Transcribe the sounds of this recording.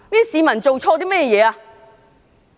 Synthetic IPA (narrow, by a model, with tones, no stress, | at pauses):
niː˥siː˨˧mɐ˨˩nt͡so˨wt͡ʃʰɔː˧t̪iː˥mɛ˥jɛː˧jɛː˨˧aː˧